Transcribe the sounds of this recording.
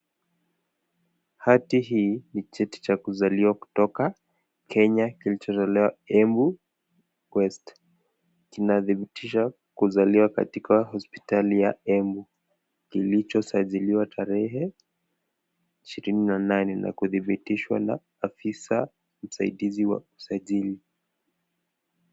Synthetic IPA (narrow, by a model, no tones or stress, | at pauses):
hatiɦiːnit͡ʃɛti̥t͡ʃakuzaliwaku̥tɔka | kʰɛɲakilit͡ʃɔtɔlɛwaɛmbu | kwɛst | kinaðiɓitiʃa | kuzaliwaka̰tikahɔspi̥talijaɛmbu | kilit͡ʃɔsaʄiliwatʰaɾɛɦɛ | iʃiɾininananɛnʔa̰kuðiɓitiʃwa̰na̰ːfisa | m̩saiɗiziwa̰usaʄili